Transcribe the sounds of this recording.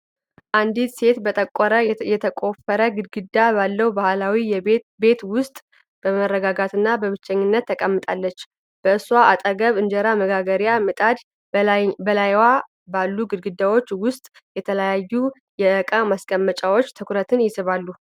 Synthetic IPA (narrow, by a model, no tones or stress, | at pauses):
ʔand̪it̪se̞t̪bət̪ʼəkʼːɔɾəjɛt̪ʰəkʼo̞fəɾəɡɨɡɨd̪abalːəwbahlawi | be̞t̪wʊst̪ʼ | b̥əməɾːəɡaɡat̪ɨnːabəβɨt͡ʃːɛɲːɪnːət̪ʰːəkʼəmːɨt̪ʼalːət͡ʃː | b̥əɨswaʔat̪ʼəɡəβɨnd͡ʒəɾaməɡaɡəɾjamɨt̪ʼad̪ | bəlajwa | balːuɡɨd̪ɡɨd̪awo̞t͡ʃːwʊst̪ʼ | jɛt̪ʰələjajːu | jɛəkʼamaskʼəmːət͡ʃʼawo̞t͡ʃːt̪ʰɨkʰɾət̪ʰɨnjɪsɨβalːu